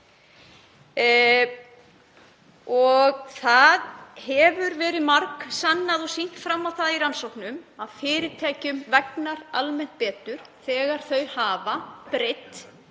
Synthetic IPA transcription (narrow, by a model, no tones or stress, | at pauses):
ɔɣθaðhɛvʏɾvɛːɾɪðmaɾksanːaðɔsin̥t̪fɾamːawθaðiɾansowknʏmaðfɪːɾɪt̪ʰɛːcʏmvɛknaɾalmɛn̥t̪̚pɛːt̪ʏɾ̥θɛːɣaɾ̥θœɥhaːvapɾɪt̪